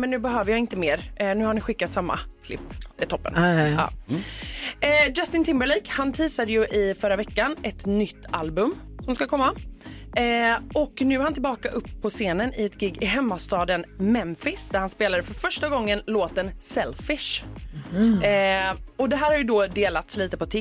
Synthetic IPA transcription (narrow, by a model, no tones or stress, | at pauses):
mɛnːʉ̟ːbɛɦøːvəɾjɑːɪnt̪əmeːɾnʉ̟ːhaɾɳɪɧɪkːat̪samːa̰kʰlɪ̰p̪ːɪt̪ʰɔpːə̰nɑ̰ː | d͡ʒast̪ɪnt̪ʰɪmbəliːkhant̪ʰiːsad̪əjɵʔɪfœɾːavɛkːanɛt̪nʏt̪ːalbɵmsɔmskakʰɔmːa | ʔɔknʉ̟ːɛhant̪ɪlbɑːkaʔɵpːpʰːɔseːnənɪɛt̪ɡɪɡːɪɦɛmːast̪ɑːd̪ənmɛmfɪsd̪æɾhanspeːlad̪əfœɾfœʂʈaɡɔŋːənloːt̪ənsɛlfɪʂ | ɔd̪ɛɦæːɾhaɾjɵd̪ɔd̪eːlat̪sliːt̪əpɔt̪ʰɪ